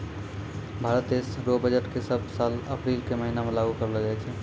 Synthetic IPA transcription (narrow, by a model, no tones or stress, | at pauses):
bʱaːɾət̪̚d̪esɾobəd͡ʒəʈkesəb̚ʱsaːləpɾiːlkeməɦinamẽlaɡukəɾəld͡ʒaɛt͡ʃʰɛ